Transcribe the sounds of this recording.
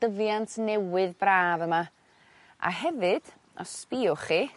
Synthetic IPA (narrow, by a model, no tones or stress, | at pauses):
d̥əvjantʰnɛwɨðbraːvəma | ʔa̰ɦɛvɨd̥ | aspiʊχi